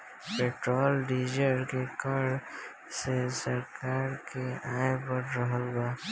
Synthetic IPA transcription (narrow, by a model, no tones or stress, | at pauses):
peːʈɾɔːlɖiːd͡ʒəɾkekaɽ | sesəɾkaːɾkeaːebəɾɾəɦəlɡaː